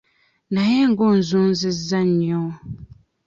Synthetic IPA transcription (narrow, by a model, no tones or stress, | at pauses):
najɛŋ̩ɡɔn̩zunzɨzanɔ